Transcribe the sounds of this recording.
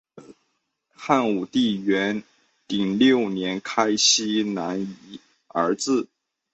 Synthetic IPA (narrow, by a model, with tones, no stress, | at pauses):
xa˥˩nu˨˩t̪i˥˩ɥɛ˧˥n | t̪i˨˩ŋljo˥˩ʊnjɛ˧˥nkʰa˥ɪɕi˥na˧˥ni˧˩˦ | ə˞˧˥t͡sɹ̩˥˩